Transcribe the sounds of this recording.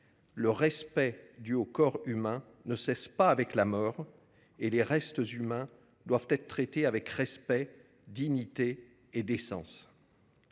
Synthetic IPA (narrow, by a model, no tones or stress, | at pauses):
ləʁɛspɛd̪yokɔʁymɛ̃ | nəsɛspaːvɛklamɔːʁ | eleʁɛst̪əzymɛ̃ | d̪wavt̪ɛt̪χət̪χet̪eavɛkʁɛspɛ | d̪iɲit̪eː | d̪esɑ̰̃s